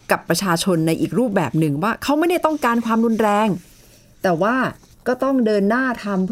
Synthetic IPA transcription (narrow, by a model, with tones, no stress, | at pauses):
ka˨˩pːɾa˧t͡ɕʰaː˧t͡ɕʰo˧nːa˧jʔḭː˨˩k̚ɾuː˥˩p̚bɛ̰ː˨˩p̚nɯ˨˩ŋwaː˥˩kʰa˦˥wma˥˩jda˥˩jt̪ɔ˥˩ŋkaː˧nkʰwaː˧mɾu˧nɾɛː˧ŋ | t̪ɛː˨˩waː˥˩ | kɔː˥˩t̪ɔ˥˩ŋdɤː˧nːaː˥˩t̪ʰa˧mpʰ